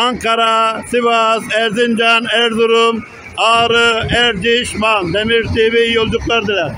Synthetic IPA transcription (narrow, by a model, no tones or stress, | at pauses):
aŋkʰaɾasivasɛɾzind͡ʒanɛɾd̪uɾum | aːɾɯɛɾd͡ʒ̪iʃmand̪ɛmiɾsevejiolˠd̪uklˠaɾd̪ɯlaɾ